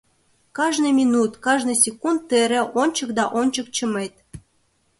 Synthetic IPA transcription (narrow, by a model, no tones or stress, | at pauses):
kɑʒnɨjmʲinut̪kɑʒnɨ̆jsʲekund̪t̪ːeɾĕʔonʲt͡ɕɤ̆k̚d̪ɑʔonʲt͡ɕə̆k̚t͡ɕə̆met̪̚